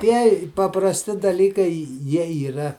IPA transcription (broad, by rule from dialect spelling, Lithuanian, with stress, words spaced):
ˈtʲiɛjɪ pɐprɐsʲˈtʲɪ dɐˈlʲiːkɐɪ ˈjiɛ iːˈrɐ